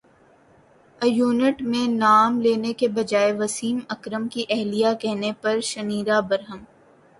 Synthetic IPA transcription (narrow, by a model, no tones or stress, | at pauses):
ɐjuːnəʈmẽnaːmleːnekebɐd͡ʒaːeʋɐsiːmɐkɾəmkiʔɛɦlijakɛɦnepɐɾʃɐniːɾabɐɾɦəm